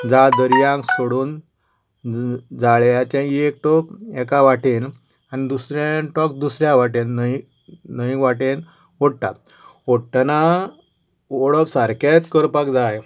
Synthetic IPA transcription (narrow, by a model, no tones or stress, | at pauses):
d͡zad̪əɾjãŋksoɽuːn | d͡zaɭjat͡ɕãek̚ʈɔkɛkaʋaʈʰen | anid̪usɾẽʈɔk̚d̪usɾjãʋaʈennəi | nəikʋaʈen | oɽt̪a̰t̪̚ | oɽʈ̪ana | ɔɭəpsaɾkat͡s̪kəɾpakd͡zaj